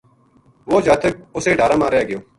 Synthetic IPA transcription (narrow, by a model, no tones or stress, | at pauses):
ʋoːd͡ʒaːt̪ək̚ʊseːɖʱaːɾãːmaːɾjaːɡɪjoː